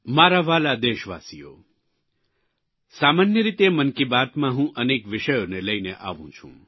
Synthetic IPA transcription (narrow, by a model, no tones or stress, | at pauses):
maɾaʋalad̪eʃʋa̰sijo̰ | samanjəɾit̪emənkibat̪mãɦũʔənekʋɪʃəjoneləjneʔa̰ʋṵ̃t͡ʃʰṵ̃